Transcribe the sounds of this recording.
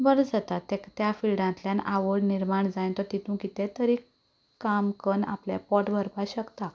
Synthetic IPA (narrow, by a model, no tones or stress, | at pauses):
bəɾd͡zat̪at̪ːekt̪jafilɖãnt̪ljanaʋəɽniɾmaɳd͡zajnt̪ɔɾt̪it̪ũkit̪et̪əɾi | kːamkəna̰pljḛpɔʈʋəɾpaɕəkt̪a